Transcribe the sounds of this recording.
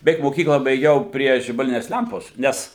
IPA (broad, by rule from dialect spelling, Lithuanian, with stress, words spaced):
bʲɛˈʋʲɛɪk moːˈkʲiːklˠɑː bɐɪˈɡʲɛʊ ˈpʲrʲiɛ ʒʲɪbɐˈlʲɪnʲɛs ˈlʲɛmpoːs ˈnʲɛs